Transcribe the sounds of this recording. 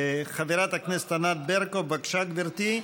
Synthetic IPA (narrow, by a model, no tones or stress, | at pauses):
χaveɾat̪aknest̪anat̪̚beɾkobakʃak̪biɾt̪i